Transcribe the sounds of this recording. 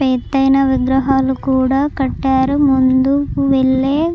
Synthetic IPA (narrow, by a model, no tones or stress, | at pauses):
eːt̪ːɐjnɐʋiɡɾɐɦaːlukuːɽaːkɐʈːaːɾumund̪uuʋeɭːeː